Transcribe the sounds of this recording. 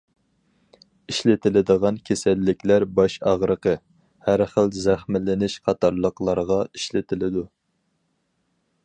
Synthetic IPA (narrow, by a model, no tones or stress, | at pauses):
iʃlɪt̪ʰɪlɪd̪əʁɑnkʲʰesælːɪkʲlæɾbɑʃɑʁɾəqə | hæɾχəlzæχmɪlɪnɪʃqʰɑt̪ʰɑɾlˠəqlˠɑɾʁɑiʃlɪt̪ʰɪlɪd̪u